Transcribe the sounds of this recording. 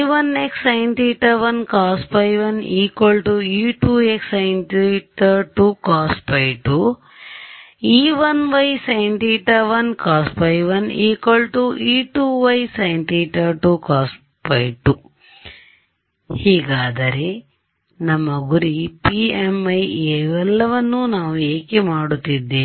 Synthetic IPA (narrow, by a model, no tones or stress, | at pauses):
ʋɐneksɐjɳʈiːʈɐʋɐnkaːspɐjʋɐniːkʋɐlʈuiːʈuːeksɐjnʈiʈɐɾʈuːkaːspɐjʈu | iːʋɐnʋɐjsɐjɳʈiːʈɐʋɐnkaːspɐjʋɐniːkɐlʈuʔiːʈuːʋɐjsɐjɳʈiʈ̪ɐɾʈukaːs | pɐjʈu | hiːɡaːd̪ɐɾe̞ | nɐmːɐɡuɾipiemɐjeɛlːɐʋɐnːunaːʋueːkemaːɽut̪ːid̪ːeː